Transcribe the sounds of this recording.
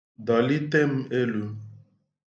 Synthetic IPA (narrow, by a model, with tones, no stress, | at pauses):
dɔ˨li˦t̪e˦m̩˦e˦lu˦